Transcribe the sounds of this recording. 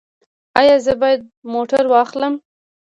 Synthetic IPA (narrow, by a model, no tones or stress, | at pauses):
ɑjɑzəbɑjad̪̚moʈaɾwɑxləm